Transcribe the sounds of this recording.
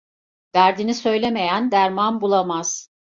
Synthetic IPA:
v̥æɾd̪inisø̞jlʲe̞me̞jænd̪æɾmanbulˠamaz̥

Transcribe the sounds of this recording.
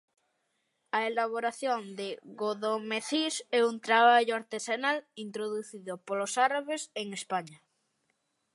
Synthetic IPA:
aelaβ̞oɾaθjond̪eɣoðomeθisɛunt̪ɾaβaʎoaɾt̪esanalint̪ɾoðuθiðopolosaɾaβeseŋespaɲa

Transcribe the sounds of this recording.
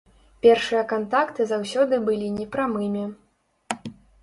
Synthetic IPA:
pʲɛrʂɨjɐkant̪akt̪ɨzawsʲɔd̪ɨbɨlʲinʲɛpɾamɨmʲɛ

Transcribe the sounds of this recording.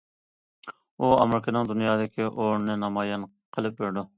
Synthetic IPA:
uɑmɾɪkʰɪnɪŋd̪unjɑːd̪ɪkʲʰɪʔoɾnɪnɑmɑːjɑn | qʰəlˠɪp̚beɾd̪ʊ

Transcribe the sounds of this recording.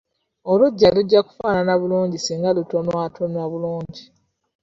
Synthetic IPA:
o̞luɟːaluɟːaku̥faːnanaβuluːɲɟisiːŋɡaluto̞nwaːtʰonaβuluːɲɟi

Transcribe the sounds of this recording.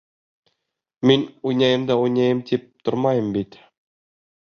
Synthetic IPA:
minʲujnʲɑjɤ̆md̪ɑujnʲɑjɤmt̪ʰip̚t̪ŏɾmɑjɤ̆mbit̪ʲ

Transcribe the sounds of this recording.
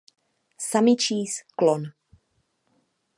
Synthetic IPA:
samɪt͡ʃiːsklɔn

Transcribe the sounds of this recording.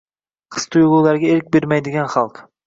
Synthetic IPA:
qʰɨ̥st̪ʰʊjʁulˠaɾɡʲaeɾɪk̚ʲbeɾmajd̪ɪɡʲanχɑlˠq

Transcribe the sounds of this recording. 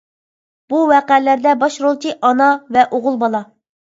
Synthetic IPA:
b̥uwɛqælæɾd̪ɛbɑʃɾolˠt͡ʃʰiʔɑnɑvɛʔoʁʊlˠbɑlˠɑ

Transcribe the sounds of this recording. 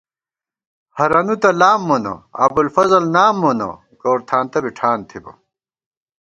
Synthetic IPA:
hɐɾɐnut̪ɐlaːmːonɐ̰ɐ̰bulfɐzɐlnaːmːonɐ̰ | koːɾt̪ʰaːnt̪ɐbiʈʰaːnt̪ʰibɐ̰

